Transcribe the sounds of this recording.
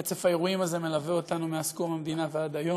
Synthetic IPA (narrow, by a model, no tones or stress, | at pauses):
et͡sefaeʁuimaze̞me̞laveot̪anumeaskomhamd̪inaveaːd̪ajo